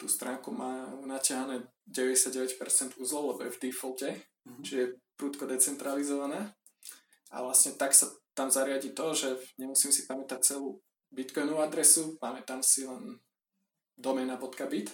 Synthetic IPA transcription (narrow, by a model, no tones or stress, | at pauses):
t̪ṵːst̪ɾaːŋkumaːunacɪaɦanɛː | ɟɛʋɛɟɛsjaɟɛʋɛcpɛɾt͡sɛnd̪uzlɔlɛbɔjɛvd̪ifɔlcɛ | t͡ʃiʒɛjɛpɾuːt̪kɔd̪ɛt͡sɛnt̪ɾalizɔʋanaː | a̰ʋlasɲɛt̪aksat̪amzaɾɪaɟiːt̪ɔʒɛɲɛmusiːmsipamɛt̪ac̚t͡sɛluː | bit̪kɔjnɔʋʊad̪ɾɛsupamɛt̪amsilɛn | d̪ɔmɛːnabɔt̪kabit̪